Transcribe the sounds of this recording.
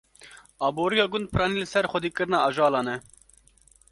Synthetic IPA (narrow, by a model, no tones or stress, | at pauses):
ɑːboːɾijɑːɡʊnd̪̚pʰɨɾɑːniːlɨsɛɾxʷɔd̪iːkɨɾnɑːʔɑʒɑːlɑːnɛ